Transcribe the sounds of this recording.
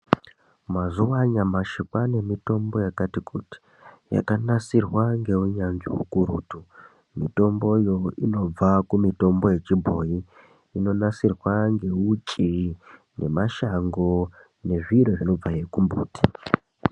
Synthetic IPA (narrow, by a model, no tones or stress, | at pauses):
mazuwaɲamaʃikwane̞mito̞mbo̞jakatikʰuti̥ | ja̰kanasirwaŋɡe̞uɲand͡ʒḭṵkuɾṵːtu | mito̞mbo̞jo̞ino̞b͡vakumito̞mbo̞je̞t͡ʃibʱo̞ji | ino̞nasirwaŋɡe̞ut͡ʃʼi | ne̞maʃaŋɡo̞ | ne̞ʐiroʐino̞b͡vaje̞kumbṵːti̥